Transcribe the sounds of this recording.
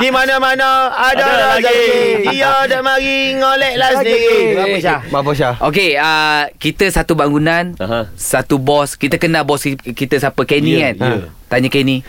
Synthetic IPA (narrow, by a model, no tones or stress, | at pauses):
dimanamanaadɔdɔ | ijɔdaʔmaɾiŋolɛʔlasədiɾi | mapoʃ̬aok̬eəkit̪əsat̪ubaŋɡunanɦsat̪ubɔskit̪əkənabɔskit̪əsapəkenĩkant̪aɲakenĩ